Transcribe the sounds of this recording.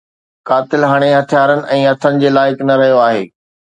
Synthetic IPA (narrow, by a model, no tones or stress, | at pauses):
kaːt̪ɪlɦaːɽ̃eɦɐt̪ʰijaːɾənɪ̆ʔɛ̃ːɐt̪ʰənɪ̆d͡ʑeːlaːɪknɐɾɐɦijoaːɦḛː